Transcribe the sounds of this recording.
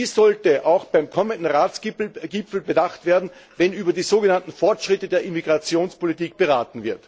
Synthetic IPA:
iːssɔltəʔaʊxb̥aɪmkʰɔməndn̩ʁaːt͡sɡɪpfl̩bədaχtv̥eːɐdn̩vɛnyːbɐdiːzoːɡənantn̩fɔɐtʃʁ̥ɪtədeːɐimiɡʁat͡sjoːnspolitiːk̚b̥əʁaːtn̩vɪɐt

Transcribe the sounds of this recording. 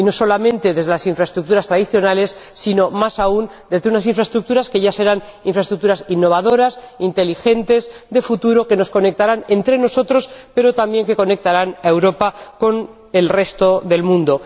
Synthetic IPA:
ino̞so̞lamẽ̞nt̪e̞ðe̞zðelasiɱfɾae̞st̪ɾuk̚t̪uɾast̪ɾaðiθjo̞nale̞sːino̞masaund̪ezðe̞unas̬iɱfɾaest̪ɾuk̚t̪uɾaske̞ʝase̞ɾan | iɱfɾaest̪ɾuk̚t̪uɾasinːo̞β̞aðo̞ɾas | int̪e̞lixe̞nt̪e̞zðe̞fut̪uɾo̞ke̞no̞sko̞ne̞k̚t̪aɾane̞nt̪ɾe̞no̞so̞t̪ɾo̞spe̞ɾo̞t̪ambje̞ŋke̞ko̞ne̞k̚t̪aɾanae̞wɾo̞pako̞n | e̞lre̞st̪o̞ðe̞lmũnd̪o̞

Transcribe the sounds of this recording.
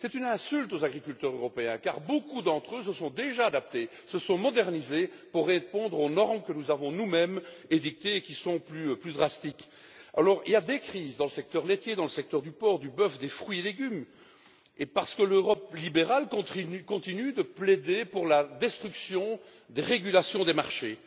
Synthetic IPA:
sɛt̪ynɛ̃sylt̪ozaɡʁikʲylt̪œʁzøʁɔpeɛ̃kaʁbokud̪ɑ̃t̪χøsəsɔ̃d̪eʒaːd̪ap̚t̪e | səsɔ̃mɔd̪ɛʁnize | puʁːepɔ̃d̪ʁonɔʁmkənuzavɔ̃numɛmed̪ik̚t̪eːkʲisɔ̃plyplyd̪ʁast̪ik | a̰lɔʁḭljad̪ekχiːzd̪ɑ̃ləsɛk̚t̪œʁlet̪jed̪ɑ̃ləsɛk̚t̪œʁd̪ypɔːʁd̪ybœfd̪efχɥieleɡʲym | epaʁsə̥kəløʁɔplibeʁalkɔ̃ikɔ̃t̪inyd̪əpled̪epuʁlad̪ɛst̪χyksjɔ̃ | d̪eʁeɡʲylasjɔ̃d̪emaʁʃe

